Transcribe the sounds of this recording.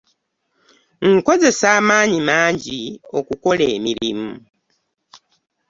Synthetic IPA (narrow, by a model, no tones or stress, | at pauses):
ŋ̩ko̞ze̞saːmaːɲimaːɲɟio̞kuko̞leːmiɾimu